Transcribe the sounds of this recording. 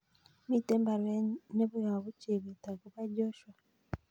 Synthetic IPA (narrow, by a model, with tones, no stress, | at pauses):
mi˦˨tɛ˦mba˨ɾwɛ˦ne˦βu˦ja˨βu˦t͡ʃi˨βi˨ta˨ku˦βa˦ɟɔ˦ʃwa˨